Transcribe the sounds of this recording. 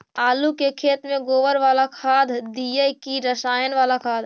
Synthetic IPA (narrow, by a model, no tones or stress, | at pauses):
aːlukekʰeːt̪mẽɡoːʋəɾʋaːlakʰaːd̪ʱd̪ijəkiɾəsaːjənʋaːlakʰaːd̪ʱ